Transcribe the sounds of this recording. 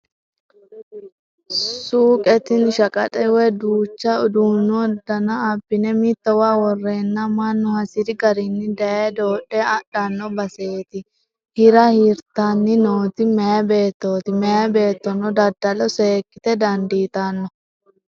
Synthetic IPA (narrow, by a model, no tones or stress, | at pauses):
suːkʼɛt̪ɪnʃɐkʼɐ̰tʼɛwɛd̪uːt͡ʃːɐʊd̪unɔd̪ɐnɐɐbːɪnɛmɪt̪ːɔwaːwɔrːeːnːɐmɐnːʊhɐsɪɾɪɡɐɾɪnːɪd̪ɐjeːd̪o̞ːᶑːɛɐɗɐnːɔbɐseːt̪ɪ | hɪɾɐhiːɾt̪ɐnːɪnoːt̪ɪmɛjɐbe̞ːt̪ːo̞ːt̪ɪmɛjɐbe̞ːt̪ːɔnɔd̪ɐd̪ːɐlɔseːkːɪt̪ɛd̪ɐnd̪iːt̪ɐnːɔ